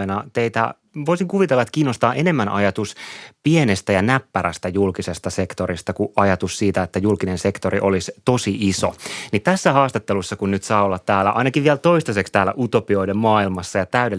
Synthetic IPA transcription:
enɑt̪eit̪æ̰ | ʋoisiŋkuʋit̪elːɑet̪kiːnːost̪ɑːʔene̞mːænʔɑ̰jɑt̪uspienest̪æjɑnæpːæɾæst̪æjulkisest̪ɑse̞kt̪oɾist̪ɑkuʔɑjɑt̪ussiːt̪æet̪ːæjulkinense̞kt̪oɾiʔolist̪o̞siʔiso̰nit̪æsːæhɑːst̪ɑt̪ːelusːɑkunnyt̪sɑːolːɑt̪t̪ːæːlːæ̰ʔɑ̰inɑkiʋʋiɛlt̪oist̪ɑsekst̪æːlːæ̰ʔut̪opioidemmɑːilmɑsːɑjɑt̪æyde

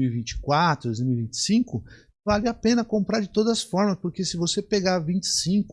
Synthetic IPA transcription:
miwivĩt͡ʃɪ̥kwat̪ɾʊd̪oejzmiwivĩnt͡ʃɪ̥sĩŋkʊ | valɪapẽnɐkõmpɾaɾd͡ʒɪt̪od̪ɐzɐsfɔɾmɐspoɾkesɪvosepeɡaɾvĩnt͡ʃɪ̥sĩŋkʊ

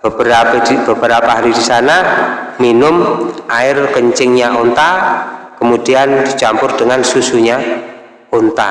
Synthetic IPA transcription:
bəbəɾabəb̥əɾapaɦaɾidisanaminʊmʔaɪrkəɲt͡ʃɪŋɲaʔont̪akəmud̥iand̪̥i̤t͡ʃampʊrd̥əŋansusuɲa | ont̪a

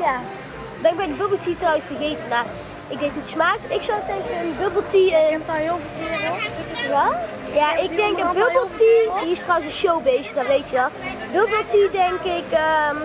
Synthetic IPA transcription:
ja | dɛnɪɡbɛjdəbøblˠtitrɔwənsfərɣejtənːa | ʔɪɡ̚dejtutsmaːktɪksɔwtɛŋkəənbɵbəl̩ˠtitɦɪlˠvˠkɪdəɛlˠ | jaɪɡ̚dɛŋkəbøbəlˠtidiɪstrɔwəsənʃowbejsədɔtʋejtyɔ | bøbəlˠtidɛŋkɪkəm

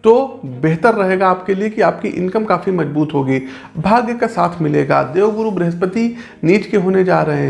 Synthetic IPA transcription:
t̪obeɦt̪əɾːɐɦeːɡaːpkeliekiaːp̚kiʔɪ̰̃nkəmkaːfimɐd͡ʒbuːt̪ɦoːɡiː | bʱaːɡjəkasaːt̪ʰmɪlḛːɡa̰ːd̪eːʋbʊɾubɾeɦəspət̪i | niːt͡ʃkeɦoːned͡ʒaːɾɐɦẽɦɛ̃

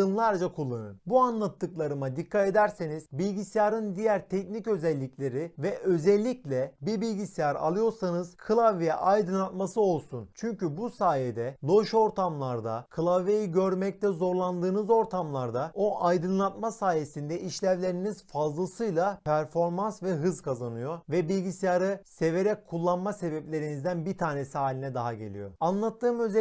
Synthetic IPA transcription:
ɯnlˠaɾd͡ʒakʰulˠːanɯ̰nbuanlˠat̪ʰːɯklˠaɾɯmad̪ikʰːat̪e̞d̪æɾseniz̥bilʲɟisijaɾɯnd̪ijæɾt̪ʰɛcnicø̞zɛlʲːiclʲe̞ɾivɛʔø̞zɛlʲːiclʲɛbiɾbilʲɟisijaɾa̰lˠɯjo̞ɾsanɯz̥kʰɯlˠavejɛ̰ʔajd̪ɯnlˠat̪masɯo̞lˠsunt͡ʃʰyɲcybusaːjed̪ɛlˠo̞ʃo̞ɾt̪ʰamlˠaɾd̪a̰kʰɯlˠavejiɟø̞ɾmɛc̚t̪ɛzo̞ɾlˠand̪ɯːnɯzo̞ɾt̪ʰamlˠaɾd̪ao̞ʔajd̪ɯnlˠat̪masaːje̞sind̪ɛiʃlʲævlʲe̞ɾinizfazlˠasɯjlˠapʰæɾfo̞ɾmansvɛɦɯzkʰazanɯjo̞vɛbilʲɟisijaɾɯse̞ve̞ɾɛc̚kʰːulˠːanmase̞bɛplʲe̞ɾinizd̪ænbit̪ʰaːnesiɦaːlʲinɛd̪aɦaɟelʲḭjo̞̰anlˠat̪ʰːɯːmø̞zɛ

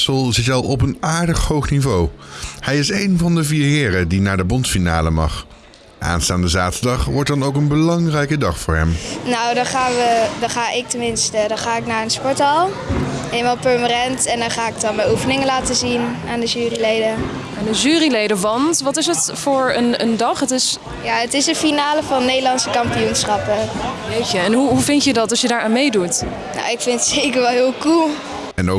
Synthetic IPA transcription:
səlˠzɪtɑlˠɔpənaːɹdəχhowχnivowhɛjɪsejnvɑndəviːɹɦɪːɾədinaːɹdəbɔntfina̰ːləmɑ̰χ | ʔa̰ːnstaːndəzaːtəɹdɑχʋɔɹt̚dɑnowkənbəlɑŋrɛjkədɑχfʊːɹɦɛ̰mnowdɑnχaːnʋədɑχaːʔɪk̚təmɪnstədɑnχaːɪknaːɹənspɔɹtɑlˠ | elmaːlˠpəɹmanɛntɛndɔnχaːɪk̚dɑnmɛjufənɪŋənlaːtəzinaːndəʒyːrilejdə | aːndəʒyːrilejdəʋɑntʋɑtɪs̬ətfʊːɹənə̰ndɑχɦətɪs | jaːətɪsənfinaːləvɑnːejdəlɑnsəkɑmpijunsχɑpəjejcəɛnɦuɦuvɪntjədɑtɑsjədaːɹʔaːnmejdut | no̰wɪkfɪnətsejkəɹʋɛlˠɦɪːlˠkulˠ | ɛno

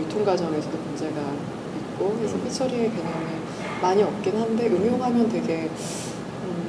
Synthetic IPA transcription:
otʰoŋɡad͡ʑʌne̞sʰʌdomond͡ʑe̞ɡa | mit̚k͈oesʰʌpʰit͡ɕʰʌɾiekeɲaŋɯ | maɲiʌp̚k͈inɦande̞ʔɯmjoŋɦamjʌntwe̞ɡe̞ | ɯ

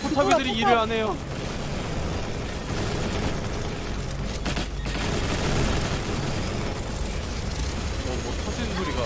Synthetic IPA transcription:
otʰabidɯɾiiɾɯɭɦane̞jo | ootʰʌd͡ʑinɦuɾiɡa

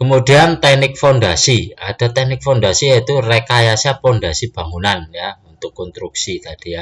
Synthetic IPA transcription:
kəmud̪i̤ant̪ɛk̚nɪk̚fond̪asiad̪̥a̤t̪ɛk̚nɪk̚fɔnd̪asijait̪urekajasapɔnd̪asib̥a̤ŋunanjaunt̪ʊkːɔnst̪ɾuk̚sit̪ad̪̥ija

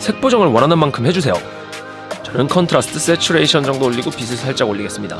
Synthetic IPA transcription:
sʰe̞k̚p͈od͡ʑʌŋɯɭwʌɾanɯnmankʰɯmhe̞d͡ʑusʰe̞jo̰ | t͡ɕʌnɯnkʰʌntʰɾas͈ʰɯ̥tʰɯs͈et͡ɕʰuɾe̞iɕʰʌnd͡ʑʌŋdoːʎːiɡopisʰɯsʰaɭt͡ɕ͈aɡoʎːiɡe̞s͈ɯmɲida̰

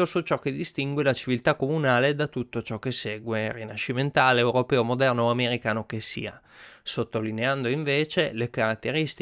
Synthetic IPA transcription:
osut͡ʃɔk̟ed̪ist̪iŋɡwelat͡ʃivilt̪akːomunaːled̪at̪ut̪ːot͡ʃɔk̟ːesːeːɡwerinaʃːiment̪aːleːwɾopɛːomod̪ɛrnoameɾikaːnokesḭːa | sot̪ːolineand̪oiɱveːt͡ʃelekaɾat̪ːeɾist̪

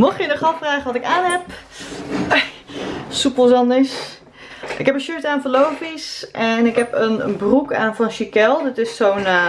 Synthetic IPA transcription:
mɔχjənɔχɑfraːχəʋɑtɪkaːnɦɛp | supəlˠzɑndəs | ʔɪ̰kɦɛpənʃøɹtaːnfəlowfisʔɛnɪkɦɛpənə̰nbruka̰ːnfɔnʃikɛlˠdɔtɪsːown

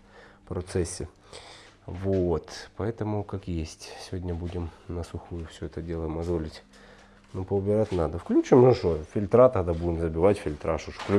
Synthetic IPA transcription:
pɾɐt̪sɛsʲːɪ | vot̪pɐɛt̪əmʊkakjesʲtʲsʲɪvʲodʲnʲəbudʲɪmnəsʊxujʊfsʲɵɛt̪ədʲe̞lˠəjɪmɐzvolʲɪtʲ | nopəʊbʲɪɾatʲnad̪əfklʲʉt͡ɕɪmɨʂofʲɪlʲt̪ɾat̪ɐɣd̪abudʲɪmzəbʲɪvatʲfʲɪlʲt̪ɾʔaʂoʂfklʲ

